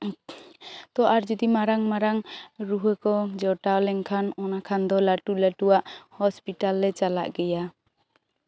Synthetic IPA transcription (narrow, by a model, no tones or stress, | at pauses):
t̪ɔʔaɾd͡ʒɔd̪imaɾaŋmaɾaŋɾuɦɛkɔd͡ʒɔʈaɔlɛŋkʰanɔnakʰand̪ɔlaʈulaʈuwaʔhɔspiʈalːɛt͡ʃala̰ʔɡɛja